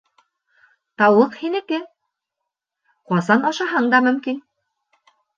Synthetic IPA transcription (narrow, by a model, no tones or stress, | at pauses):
t̪ɑwlˠɤqhinɘ̆kɘ | qɑsɑnɑʃɑɦɤɴd̪ɑmɵ̆mkin